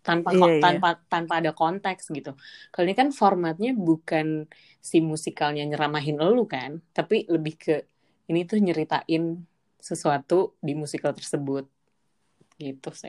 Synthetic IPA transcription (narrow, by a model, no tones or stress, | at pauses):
t̪anpaanpat̪anpaːdakɔnt̪ɛksɡit̪ukaloɲakanformat̪̚ɲabukan | simusikalɲaɲəɾamaɦɪnəlukant̪apiləbɪhkʰə | init̪ʊhɲəɾit̪a̰ʔɪn | səsuat̪udimusikalt̪ərsəbʊt̪̚ | ɡit̪usa̰